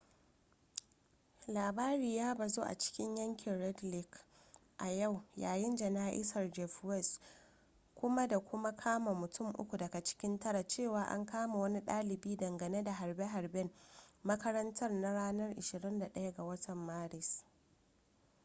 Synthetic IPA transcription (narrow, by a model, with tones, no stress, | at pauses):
laː˨baː˦ɾiː˨jaː˦ba˨zoː˦ʔa̰˨t͡ʃɪ̥˦kʲɪ˦ɲjɐ˦ŋkʲɪ˨nɽɛ˦dlɪ˦˨k | ʔa˨ja˦˨wjaː˨jɪ˦nd͡ʒɐ˨naː˦ʔɪ̰˦sɐ˨rd͡ʒɛ˨fwɛ˦˨s | kʷʊ˦ma˦da˨kʷʊ˦ma˦kʰaː˦ma˨mʊ˨tʊ˦mʔʊ̰˦kʷu˨dɐ˨ɡa˨t͡ʃɪ̥˦kʲɪ˦ntɐ˦ɽa˨t͡ʃeː˦˨waː˨˦ʔa̰˦ŋkaː˦ma˨wɐ˦ni˦ɗaː˦lɪ˨biː˦dɐ˨ŋɡɐ˨ne˦da˨ɦa˨rbe˦ɦa˨rbɛ˦mmɐ˦kɐ˦ɾɐ˦ntʰɐ˦rna˦ɽaː˦nɐ˦rʔɪ˨ʃɪ˨ɾɪ˦nda˨ɗɐ˦ja˦ɡa˨wɐ˦tʰɐ˨mːaː˦ɽɪ˨s